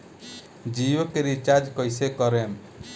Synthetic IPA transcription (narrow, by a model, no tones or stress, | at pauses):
d͡ʒijokeɾit͡ʃad͡ʒkʌjsekʌɾem